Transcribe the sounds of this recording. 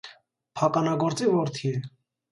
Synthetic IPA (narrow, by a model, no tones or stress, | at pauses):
pʰɑkɑnɑɡɔɾt͡sivɔɾt̪ʰiɛ